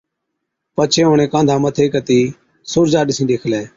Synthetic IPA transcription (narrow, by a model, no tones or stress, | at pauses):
pət͡ʃʰeːɦʊɳẽːkãːd̪ʱaːmət̪ʰeːkət̪iː | sʊːɾd͡ʒaːɗɪsĩːɗeːkʰlɛː